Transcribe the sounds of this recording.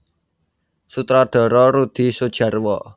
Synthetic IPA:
sut̪ɾaɖ̪̥ɔ̤ɾɔɾud̪̥i̤sod̥ʒ̥ä̤rwɔ

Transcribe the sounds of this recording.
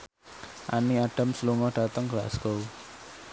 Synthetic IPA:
ʔaniaɖ̥a̤msluŋɔɖ̥at̪əŋɡlasɡ̥ow

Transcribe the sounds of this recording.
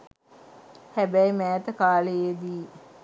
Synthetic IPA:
hæbæjmæːt̪əkaːləjed̪iː

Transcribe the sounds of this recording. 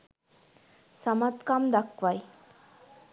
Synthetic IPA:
səmat̪kamd̪akʋaj

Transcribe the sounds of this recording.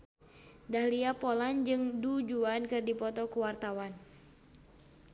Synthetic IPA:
dahliapoland͡ʒɨŋdud͡ʒuankɨrdipɔt̪ɔkuwart̪awan

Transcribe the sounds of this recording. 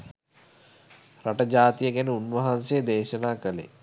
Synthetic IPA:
ɾaʈəd͡ʑaːt̪ijəɡænəunʋɐɦansejd̪eːʃənaːkəlḛ

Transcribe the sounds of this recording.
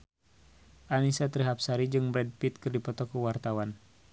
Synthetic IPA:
ʔanisat̪ɾiɦapsaɾid͡ʒɨŋbɾɛd̚pit̪̚kɨrdipɔt̪ɔkuwart̪awan

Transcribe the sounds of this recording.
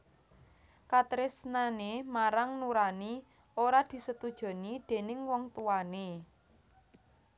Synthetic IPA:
kat̪ɾɪsnanemaɾaŋnuɾani | oɾad̪̥i̤sət̪ud̥ʒ̥ɔ̤nid̪̥e̤nɪŋwɔŋt̪uane

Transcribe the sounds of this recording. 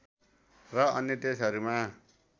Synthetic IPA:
rʌʌnjet̪esʌɾuma

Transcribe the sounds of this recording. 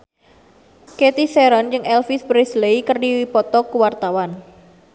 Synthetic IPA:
ket̪iseɾɔnd͡ʒɨŋɛlfisbɾesleikərdiwipɔt̪ɔkuwart̪awan

